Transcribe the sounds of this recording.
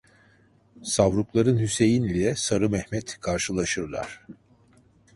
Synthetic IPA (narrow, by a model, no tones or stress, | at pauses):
savɾuklˠaɾɯnhyse̞jinilʲɛsaɾɯmɛhmɛt̪kʰaɾʃɯlˠaʃɯɾlˠa̰ɾ̥